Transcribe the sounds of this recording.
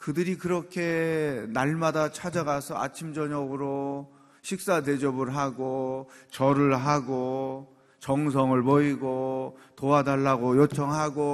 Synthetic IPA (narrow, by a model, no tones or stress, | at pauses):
kɯdɯɾikɯɾʌkʰe̞naɭmadat͡ɕʰad͡ʑaɡasʰʌa̰t͡ɕʰimd͡ʑʌɲʌɡɯɾo | ɕʰik̚s͈ated͡ʑʌbɯɭɦaɡot͡ɕʌɾɯɭɦaɡo | t͡ɕʌŋsʰʌŋɯɭmʌiɡotoadaɭːaɡojot͡ɕʰʌŋɦaɡo